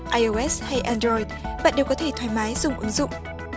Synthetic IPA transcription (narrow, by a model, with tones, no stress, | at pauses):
ʔaː˧jo˧ʔɛ˦˥sha˧jʔa˧ndɾɔ˧jdɓa̰ː˧˨nɗe˨˩wkɔ˨˦t̪ʰe˧˩t̪ʰwaː˨˦jmaː˨˦jzʊ̰˨˧˨ŋ͡mʔə˨˦ŋzʊ̰˧˨ŋ͡m